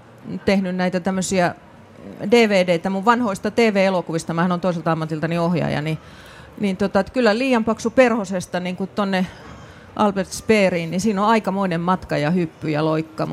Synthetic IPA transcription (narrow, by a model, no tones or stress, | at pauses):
t̪ehnynnæit̪æt̪æmːøsiæ | deːʋeːdeit̪æmuʋʋɑnhoist̪ɑt̪eːʋeːelokuʋist̪ɑmæhɑnont̪oiselt̪ɑɑmːɑt̪ilt̪ɑniohjɑ̰jɑ̰ni | nint̪ot̪ɑet̪kylːæliːjɑmpɑksuperhosest̪ɑniŋkut̪onːe | ʔɑ̰lbert̪speːriːnnisiːnoɑikɑmoinemmɑt̪kɑjɑhypːyjɑloikːɑm